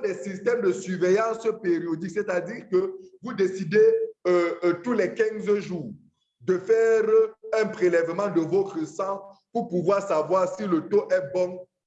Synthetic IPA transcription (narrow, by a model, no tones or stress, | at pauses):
d̪ɛsist̪ɛmd̪əsyʁvejɑ̃speʁiod̪iksɛt̪ad̪iːʁkəvud̪esid̪e | t̪ulɛkɛ̃zʒuːʁ | d̪əfɛʁɛ̃pχelɛvəmɑ̃d̪əvɔt̪χəsɑ̃puʁpuvwaʁsavwaʁsilət̪oʔɛbɔ̃